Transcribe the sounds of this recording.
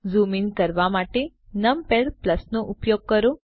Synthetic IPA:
zuminkəɾʋamaʈe | nəmpeɽpləsnoʔupjoɡ̚kəɾo

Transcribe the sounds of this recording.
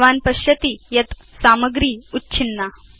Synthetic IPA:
ʋanpɐɕjɐt̪iːjɐt̪ | saməɡɾiːutːt͡ɕʰinːa

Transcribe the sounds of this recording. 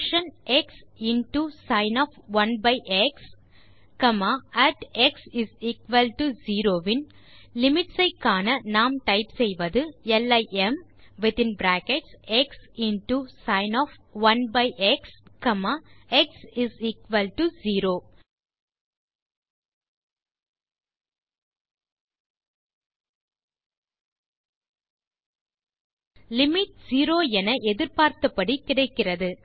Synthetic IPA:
ʃɐnɛksɪnʈusɐɪnɔːfʋɐnbɐɪʔɛks | kɐmaːæʈɛksɪziːkʋɐlʈuziːɾoːʋɪn | lɪmɪʈsɐɪkːaːnɐnaːmʈɐɪpsɛjʋɐðɯɛlɐɪʔɛm | ʋɪt̪ɪ̃nbɾæːkeʈsɛksɪnʈusɐɪnɔːf | ʋɐnbɐɪʔɛkskɐmaɛksɪziːkʋɐlʈuziːɾoː | lɪmɪʈ̚siːɾoːɛnɐʔɛðɪɾpaːɾt̪ɐpːɐɽikɪɽɐɪkːɪrɐðɯ

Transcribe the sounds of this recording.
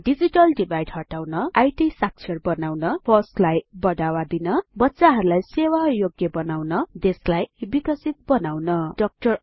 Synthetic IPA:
ɖid͡ziʈʌlɖibʱajɖhʌʈawnʌajʈisak̚t͡sʰʌrbʌnawnʌpʰʌslajbʌdawad̪inʌbʌtːsaɦʌɾulajsewajoɡjʌbʌnawnʌd̪eslajbikʌsit̪̚bʌnawnʌɖʌk̚ʈʌr

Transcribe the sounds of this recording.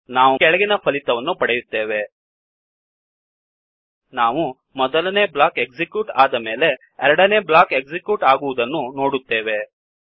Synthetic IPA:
naːʋuɛɭɐɡinɐpʰɐlit̪ɐʋɐnːupɐɽejut̪ːe̞ːʋe̞ | naːʋu | mɔd̪ɐlɐneːblaːkeɡzikjuːʈaːd̪ɐme̞ːle̞ | ɛɾɐɽɐneːblaːkeɡzikjuːʈaːɡuʋud̪ɐnːuno̞ːɽut̪ːe̞ːʋe̞

